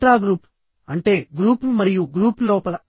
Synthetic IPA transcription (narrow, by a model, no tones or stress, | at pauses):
ɾaːɡɾuːp | ɐɳʈeːɡɾuːpmɐɾijuɡɾuːploːpɐlɐ